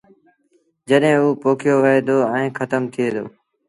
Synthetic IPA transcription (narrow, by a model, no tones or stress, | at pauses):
d͡ʒəɗɦɪ̃ːuːpoːkʰɪjoːʋəɦeːd̪oːɛ̃ːkʰət̪əmt̪ʰɪeːd̪o̰ː